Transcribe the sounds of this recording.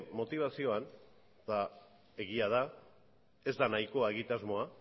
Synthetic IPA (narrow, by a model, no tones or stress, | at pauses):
mo̞t̪iβ̞asio̞an | d̪a | e̞ɣ̞iað̞a | e̞zd̪anajko̞ae̞ɣit̪azmo̞a